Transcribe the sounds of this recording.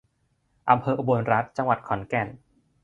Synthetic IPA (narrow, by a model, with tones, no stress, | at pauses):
ʔa˧mpʰɤː˧ʔu˧bo˧nɾa˦˥t̪̚t͡ɕa˧ŋwa˨˩t̪̚kʰɔ˩˦nkɛ˧˩n